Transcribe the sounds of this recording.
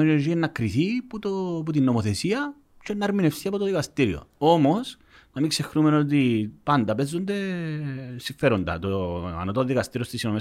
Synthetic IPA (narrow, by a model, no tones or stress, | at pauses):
enoɾʝienːɐkɾiθiput̪oput̪inːo̞moθesiɐ | t͡ʃenːɐɾminefsiɐpot̪oðikɐst̪iɾio̞̰o̞mo̞s | nɐmiŋkse̞xnume̞no̞t̪̬ipɐnd̪ɐpe̞zːond̪e̞ | siɱfe̞ɾond̪ɐ̰t̪oɐ̰not̪oðikɐst̪iɾiost̪isinome